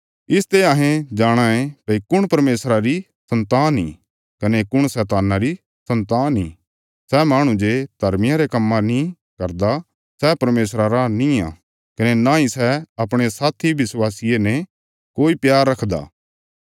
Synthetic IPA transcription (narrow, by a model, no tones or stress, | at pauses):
ɪst̪eaːɦẽd͡ʒaːɽ̃ãẽpɐikʊɽ̃pɐɾmeːsɾaɾi | sɐ̃nt̪aːnḭ̃ | kɐnekʊɽ̃sɛːt̪aːnaɾi | sɐ̃nt̪aːnɦĩ | sɛmaːɽ̃ũd͡ʒed̪̥ʱɐɾmɪjãɾekɐmːãnĩ | kɐɾd̪a | sɛpɐɾmeːs̬ɾaɾanĩã̰ | kɐnenaisɛɐpɽ̃esaːt̪ʰiʋɪswaːsijenɛ | koːipjaːɾːɐkʰd̪a̰ː